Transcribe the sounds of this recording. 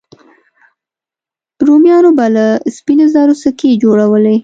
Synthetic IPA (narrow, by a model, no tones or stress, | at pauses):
ɾomjɑnobalaspinozɑɾosəked͡ʒoɽawəle